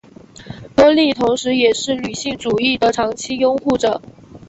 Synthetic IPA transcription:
kɤ˥li˥˩t̪ʰʊ˧˥ŋʂɻ̩˧˥jɛ˨˩ʂɻ̩˥˩ny˨˩ɕi˥˩ŋʈ͡ʂu˨˩i˥˩d̪ə˨ʈ͡ʂʰɑ˧˥ŋt͡ɕʰi˥jʊ˥ŋxu˥˩ʈ͡ʂɤ˨˩˦

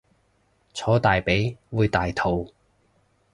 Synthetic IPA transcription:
t͡sʰɔː˨˥t̪aː˨jpe˨˥jwuː˨˧jt̪aː˨jt̪ʰo˨w

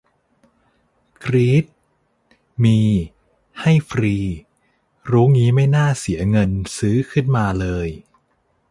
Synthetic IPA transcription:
kʰɾiː˦˥t̪̚ | miː˧ | ha˥˩jfʰɾiː˧ | ɾuː˦˥ŋiː˦˥ma˥˩jnaː˥˩si˩˦ɐŋɤ˧nsɯː˦˥kʰɯ˥˩nmaː˧lɤː˧j

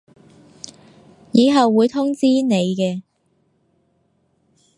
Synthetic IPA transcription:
jiː˨˧ɦɐ˨wːuː˨˧jt̪ʰʊ˥ŋt͡siː˥ne˨˧jkɛː˧

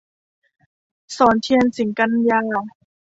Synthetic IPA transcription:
sɔː˩˦nt̪ʰi˧ə˧nsi˨˩˦ŋka˧˥njaː˧˥˨

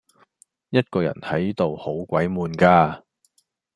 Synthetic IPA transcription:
jɐ˥t̚kɔː˧jɐ̰˨˩nhɐ˨˥jt̪o˨who˨˥wkʷɐ˨˥jmuː˨nkaː˧

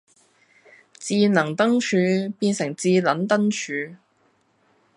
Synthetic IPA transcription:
t͡siː˧nɐ˨˩ŋt̪ɐ˥ŋt͡ʃʰyː˨˧piː˧nsɪ˨˩ŋt͡siː˧lɐ˨˥nt̪ɐ˥ŋt͡ʃʰyː˨˧

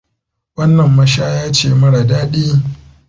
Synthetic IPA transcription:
wɐ˦nːɐ˨mːɐ˦ʃaː˦jaː˦t͡ʃeː˦˨mɐ˦ɽa˨daː˦ɗiː˦

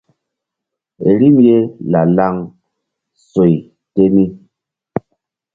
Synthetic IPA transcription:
ḛ˨ɾi˦mje˦la˨la˦ŋ | so˨j | te˦mi˦

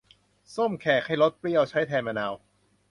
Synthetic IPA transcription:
so˥˩mkʰɛː˨˩kʰa˥˩jlo˦˥t̪̚pli˧˥˩əwt͡ɕʰa˦˥jt̪ʰɛː˧nmaː˧naː˧w

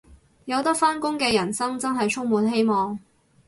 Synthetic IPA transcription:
jɐ˨˧wt̪ɐ˥k̚faː˥nkʊ˥ŋkɛː˧jɐ˨˩nsɐ˥ŋt͡sɐ˥nɦɐ˨jt͡ʃʰʊ˥ŋ̚muː˨˧nɦe˥jmɔː˨˩ŋ

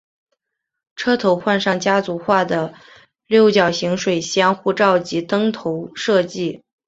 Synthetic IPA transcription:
ʈ͡ʂʰɤ˥t̪ʰo˧˥ʊxwa˥˧nʂɑ˥˩ŋt͡ɕja˥t͡su˧˥xwa˥˩d̪ə˩ | ljo˥˩ʊt͡ɕjɑ˨˩ʊɕi˧˥ŋʂwe˨˩ɪɕjɑ˥nxu˥˧ʈ͡ʂɑ˥˩ʊt͡ɕi˧˥t̪ɤ˥ŋt̪ʰo˧˥ʊʂɤ˥˧t͡ɕi˥˩

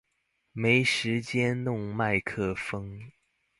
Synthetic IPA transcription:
me˧˥ɪʂɻ̩˧˥t͡ɕjɛ˥nnʊ˥˧ŋma˥˧ɪkʰɤ˥˩fɤ˥ŋ

